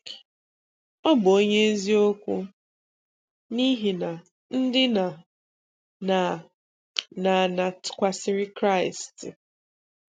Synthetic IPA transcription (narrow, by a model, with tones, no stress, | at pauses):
ɔ˦bʊ˨o˦ɲe˦e˦zi˦o˦kʷu˦ | ni˦ɦi˨na˨ | n̩˦dɪ˦na˨ | na˨ | na˨na˨tʊ̥˨kʷa˦sɪ˦ɾɪ˦kɾa˦ɪ˨st